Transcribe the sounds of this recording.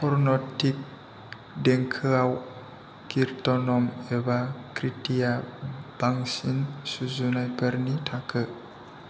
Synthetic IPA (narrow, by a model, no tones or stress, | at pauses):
pʰɔɾnɔtik̚ | deŋkʰəaw | kiɾtɔnɔmebakɾitijab̥aŋsinsuzunajpəɾnitʰakʰə